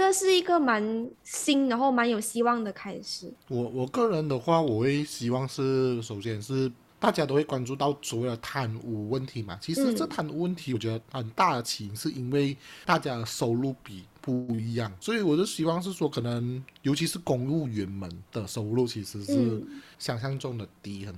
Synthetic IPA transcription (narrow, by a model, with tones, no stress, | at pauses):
ʈ͡ʂʂɻ̩˥˩i˧˥ɡə˨ma˧˦nɕi˥ŋɻa˧˥xo˥˩ʊma˧˥njo˨˩ʊɕi˥wɑ˥˩ŋd̪ə˨˩kʰa˥ɪʂɻ̩˨˩˦wɔ˨˩˦wɔ˨˩kɤ˥˩ɻə˧˦nd̪ə˨xwa˥˩wɔ˨˩xwe˥˩ɪɕi˧˥wɑ˥˧ŋʂɻ̩˥˩ʂo˨˩ʊɕjɛ˥˧nʂɻ̩˥˩ | t̪a˥˩t͡ɕja˥t̪o˥ʊxwe˥˩ɪkwa˥˩nʈ͡ʂu˥˧t̪ɑ˥˩ʊswɔ˨˩we˥˩ɪd̪ə˨˩t̪ʰa˧˥nu˧˥wə˥˩nt̪ʰi˨˥ma̰˨t͡ɕʰi˧˥ʂɻ̩˧˦ə˥˩t̪ʰa˨˥nu˧˥wə˥nt̪ʰi˧˥wɔ˨˩t͡ɕɥɛ˧d̪ə˧xə˨˩nt̪a˥˩d̪ə˩t͡ɕʰi˨˦˧ŋʂɻ̩˥˩ʔi˥nwe˥˩ɪt̪a˥˧t͡ɕja˥d̪ə˩so˧˥ʊlu˥˩pi˨˩pu˥˧i˧˥jɑ˥˩ŋswɔ˧˥i˧˩wɔ˨˩t͡ɕɛ˧˥ə˧ɕi˧˥wɑ˥˧ŋʂ̬ɻ̩˥˩ʂwɔ˧˥kʰɤ˨˩nə˧˦ŋjo˧˥ʊt͡ɕʰi˧˥ʂɻ̩˥˧kʊ˨˩ŋɻu˥˩ɥɛ˧˥nmə˧˦nd̪̥ə˨so˧˥ʊlu˥˩t͡ɕʰi˧˥ʂɻ̩˧˦ʂɻ̩˥˧ɕjɑ˨˩ŋɕ̬jɑ˥˧ŋʈ͡ʂʊ˥˩ŋd̪ə˨t̪i˧˥xə˨˩n